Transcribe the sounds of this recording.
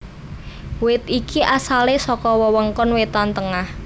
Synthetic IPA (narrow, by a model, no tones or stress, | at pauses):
wɪt̪ikiʔasalesɔkɔwəwəŋkɔnwet̪ant̪əŋah